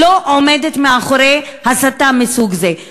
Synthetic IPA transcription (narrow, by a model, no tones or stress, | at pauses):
oʔomed̪et̪meaχoɾehasat̪ːamɪsuːɡze